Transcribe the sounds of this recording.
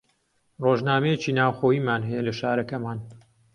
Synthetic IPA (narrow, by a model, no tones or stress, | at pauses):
roːʒnaːmɐjet͡ʃiːnaːwxoːjiːmaːnɦɐjɛlɐʃaːɾɐkɐmaːn